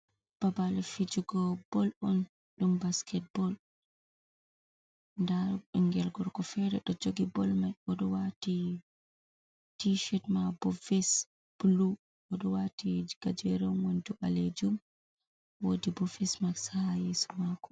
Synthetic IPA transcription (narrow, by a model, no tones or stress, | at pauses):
b̥abalfid͡ʒuɡɔbɔlɔn | ɗumbaskʰɛt̚bɔl | ndaɔŋɡɛlɡɔɾkɔfɛɾɛɗɔd͡ʒoɡibɔlmajɔɗɔwati | tiʃɛtmabɔfɛs | b̥ulu | ʔɔɗɔwatiɡ̥ad͡ʒɛɾɔmwɔnduʔa̰led͡ʒum | wodibɔfɛsmaksahajɛsɔmakɔ̥